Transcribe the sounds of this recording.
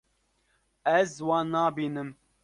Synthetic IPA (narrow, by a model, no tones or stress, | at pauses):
ɛzwɑːnɑːbiːnɨm